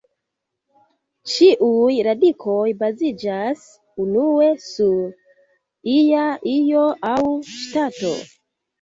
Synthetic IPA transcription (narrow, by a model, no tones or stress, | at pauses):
t͡ʃiʔujɾadikʰo̞jbazid͡ʒas | unue̞suɾ | ijaijo̞ʔawʃtato̞̰